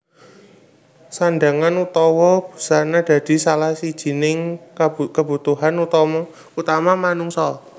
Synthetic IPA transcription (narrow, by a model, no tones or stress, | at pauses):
sanɖa̤ŋanut̪ɔwɔb̥ṳ̥sanad̪̥ä̤d̪̥i̤salahsid̥ʒ̥i̤nɪŋkəb̥ṳt̪uɦanut̪ɔmɔ | ut̪amamanuŋsɔ